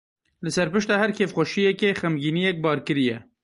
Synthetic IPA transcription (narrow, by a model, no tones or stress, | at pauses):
lɨsɛɾpɨʃt̪ɑːhæɾkʰeːfxʷɔʃijɛkexæmɡiːnijɛk̚bɑːɾkɨɾijɛ